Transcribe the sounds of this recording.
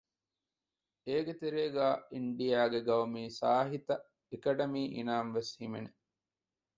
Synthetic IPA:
eːɡet̪eɾeːɡaːiɳɖijaːɡeɡɐʋɐmiːsaːɦit̪ɐ | ekɐɖɐmiːʔḭnaːnʋeshimene

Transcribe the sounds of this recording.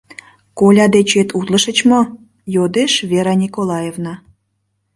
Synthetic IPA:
kolʲɑd̪et͡ɕet̪ʰut̪ləʃət͡ɕmo | jod̪eʃvʲeɾɑnʲikolɑjevnɑ

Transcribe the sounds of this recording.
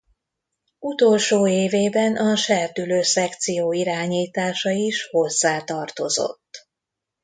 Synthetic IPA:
ut̪olʃoːeːveːbɛnʔɒʃɛrt̪yløːsɛkt̪sijoːiɾaːɲiːt̪aːʃɒiʃho̞zːaːt̪ɒrt̪o̞̰zo̰t̪ː

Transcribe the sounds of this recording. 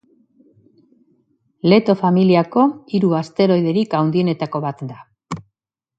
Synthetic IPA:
le̞t̪o̞familiako̞iɾuast̪e̞ɾo̞jðe̞ɾikawnd̪ie̞ne̞t̪ako̞βat̪d̪a

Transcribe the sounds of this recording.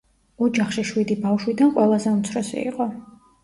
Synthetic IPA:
ɔd͡ʒaχʃiʃwid̪ibafʃwid̪anqʼwɛlˠazɛunt̪sʰɾɔsḭḭqʼɔ

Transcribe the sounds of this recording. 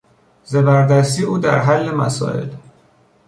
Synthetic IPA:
zebæɾd̪æst̪iːuːd̪æ̰ɾɦælːemæ̰sɒ̰ːʔḛl

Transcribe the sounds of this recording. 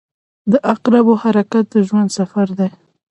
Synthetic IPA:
d̪əʔaqɾabohaɾakat̪̚d̪əʒwand̪safaɾd̪aj

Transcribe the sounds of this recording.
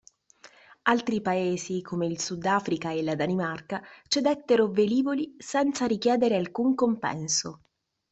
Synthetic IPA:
alt̪ɾipaeːzikʰomeilsud̪ːaːfɾikaelad̪animarkat͡ʃed̪ɛt̪ːeɾoveliːvolisɛnt̪saɾikjɛːd̪eɾealkuŋkompɛ̰nso

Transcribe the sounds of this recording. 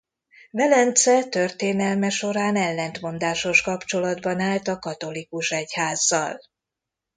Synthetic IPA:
vɛlɛnt̪sɛt̪ørt̪eːnɛlmɛʃo̞ɾaːnɛlːɛnt̪mo̞nd̪aːʃo̞ʃkɒpt͡ʃo̞lɒd̪bɒnaːlt̪ɒkɒt̪o̞likuʃɛchaːzːɒ̰l

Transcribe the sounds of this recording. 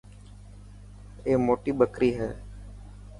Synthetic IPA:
eːmoːʈiːbəkɾiːɦɛː

